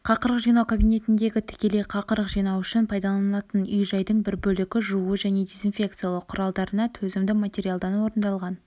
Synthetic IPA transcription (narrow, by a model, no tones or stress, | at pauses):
qʰɑqəɾəqʒijnɑwkʰabijne̞t̪ɪnd̪e̞ɡʲɪt̪ʰɪ̥kʲe̞le̞jqʰɑqəɾəqʒijnɑwʏʃɪnpʰɑjd̪ɑlˠɑnɑt̪ənʏjʒɑjd̪əɴbɪɾbɵlɪɡʲɪʒuəʒæne̞d̪ezinfʲe̞k̚t̪sɨjalˠəqʰːʊɾɑlˠd̪ɑɾənɑt̪ʰɵzɪmd̪ɪmat̪ʲe̞ɾʲijalˠd̪ɑnwo̞ɾənd̪ɑlˠʁɑn